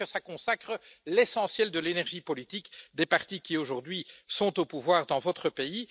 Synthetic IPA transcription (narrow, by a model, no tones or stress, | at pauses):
əsakɔ̃sakχəlesɑ̃sjɛld̪əlenɛʁʒipɔlit̪ikd̪epaʁt̪ikʲioʒuʁd̪ɥisɔ̃t̪opuvwaʁd̪ɑ̃vɔt̪χəpei